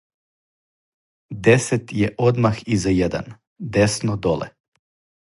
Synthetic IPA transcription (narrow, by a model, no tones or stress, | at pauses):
d̪eset̪jeʔod̪maxizajed̪a̰n | d̪esnod̪olḛ